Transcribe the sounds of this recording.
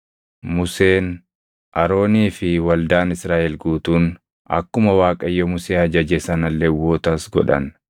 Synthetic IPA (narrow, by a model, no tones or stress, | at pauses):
mʊse̞ːn | ʔɐɾo̞ːniːfɪwɐld̪aːnɪsɾaːʔɛlɡuːt̪uːn | ɐ̰kːʊmɐwaːkʼɐjːɔmʊseːɐd͡ʒɐd͡ʒɛsɐnɐlːɛwːoːt̪ɐsɡɔ̰ᶑɐ̰n